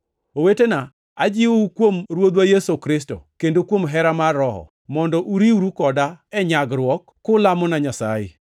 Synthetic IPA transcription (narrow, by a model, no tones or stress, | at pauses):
owetena | ad͡ʒɪukwomɾwod̪wajesokɾɪs̬to̰kendokwomɦɛɾamarːɔɦɔ̰ | mɔndɔʔuɾiwɾukɔdaɛɲaɡɾwɔkːʊlamɔnaɲasa̰ɪ̰